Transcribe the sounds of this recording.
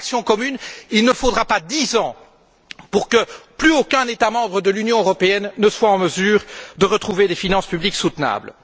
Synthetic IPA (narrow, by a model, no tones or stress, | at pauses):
ksjɔ̃kɔmynilnəfod̪ʁapad̪izɑ̃ | puʁkəplyokʲɛ̃net̪amɑ̃bʁəd̪əlynjɔ̃øʁɔpeɛnːəswaɑ̃məzyːʁd̪əʁət̪χuved̪efinɑ̃spybliksut̪na̰ːbl